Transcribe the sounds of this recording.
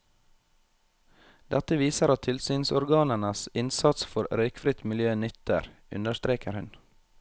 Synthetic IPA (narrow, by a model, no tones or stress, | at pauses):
d̪̥ɛt̪əʋiːsəɾɑt̪ʰɪlsyːnsɔɾɡɑːnəɳəsɪnsɑt̪sfɔɾɾœʏkfɾɪt̪mɪljøːnʏt̪ə̰ɾʉ̰nd̪əʃt̪ɾeːkəɾhʉn